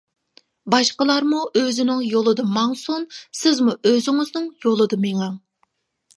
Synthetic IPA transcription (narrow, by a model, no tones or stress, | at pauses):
bɑʃqəlˠɑɾmuʔøzɪnɪŋjolˠɨd̪ɨmɑŋsonsɪzmuʔøzɪŋɪznɪŋjolˠɨd̪ɨmeŋɛŋ